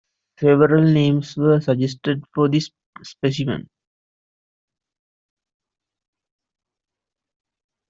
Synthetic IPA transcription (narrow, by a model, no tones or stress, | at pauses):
seʋəɾəlnẽːmsʋəːsɐd͡ʒesʈəɖfɔːd̪is | spesimə̰̃n